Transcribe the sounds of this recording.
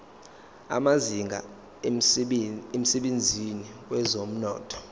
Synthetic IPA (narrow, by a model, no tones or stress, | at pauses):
a̰maziŋɡʱa̰ | em̩sɛɓend͡zʱiniwɛzom̩nɔːtʰɔ̥